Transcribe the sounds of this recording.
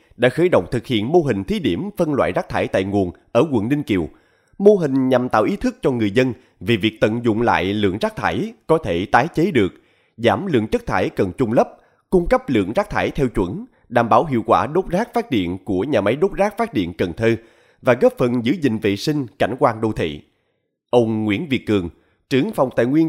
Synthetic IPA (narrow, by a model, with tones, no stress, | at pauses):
ɗa̰ː˧˥xəː˧˦jɗo̰˧˨wŋ͡mt̪ʰɨ˨˩k̚hḭ˧˨ənmo˧ɦï˨˩ŋ̟t̪ʰi˨˦ɗi˧˩əmfə˧nlwa̰ː˧˨jzaː˦˥k̚t̪ʰaː˧˩jt̪a̰ː˧˨jŋu˨˩ənʔəː˧˩kwə̰˨˧˩nlï˧ŋ̟ki˨˩əw | mo˧ɦï˨˩ŋ̟ɲa˨˩mt̪a̰ː˧˨wʔi˨˦t̪ʰɨ˦˥k̚t͡ɕɔ˧ŋɨ˨˩əjzə˧n | vi˨˩vi˨˩ək̚t̪ə̰˧˨nzʊ̰˧˨ŋ͡mla̰ː˧˨jlɨ̰˧˨əŋzaː˦˥k̚t̪ʰaː˧˩jkɔ˨˦t̪ʰe˧˩t̪aː˨˦jt͡ɕe˨˦ɗɨ˨˩ək̚ | zaː˧˩mlɨ̰˧˨əŋt͡ɕə˦˥k̚t̪ʰaː˧˩jkə˨˩nt͡ɕʊ˧ŋ͡mlə˦˥p̚ | kʊ˧ŋ͡mkə˦˥p̚lɨ̰˧˨əŋzaː˦˥k̚t̪ʰaː˧˩jt̪ʰɛ˧wt͡ɕwə˧˩n | ɗa̰ː˧˩mɓaː˧˩wɦḭ˧˨əwkwaː˧˩ɗo˦˥t̚zaː˦˥k̚faː˦˥t̚ɗḭ˧˨ənku˧˩əɲaː˨˩ma˨˦jɗo˦˥t̚zaː˦˥k̚faː˦˥t̚ɗḭ˧˨ənkə˨˩nt̪ʰəː˧ | vaː˨˩ɣɔː˦˥p̚fə˨˩nzɨ̰˧˥zï˨ŋ̟vḛ˧˨si˧ŋ̟ka˧˩jŋ̟kwaː˧ŋɗo˧t̪ʰḭ˧˨ | ʔə˧wŋ͡mŋwḭ˧˥ənvi˨ət̚ːɨ˨˩əŋ | t͡ɕɨ˧˩əŋfa˨˩wŋ͡mt̪a̰ː˧˨jŋwi˧ən